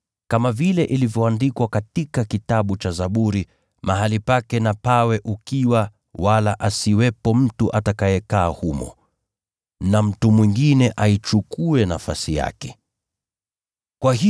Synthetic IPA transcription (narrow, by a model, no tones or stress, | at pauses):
kamavilɛʔilivjɔandikwakatikakitaɓut͡ʃazaɓuɾi | maɦalipakɛnapawɛʔukiwa | walaʔasiwɛpɔm̩tuʔatakajɛkaːhumɔ̰ | nam̩tumwiŋɡinɛʔait͡ʃukuɛnafa̰sija̰kɛ̥ | kwaɦi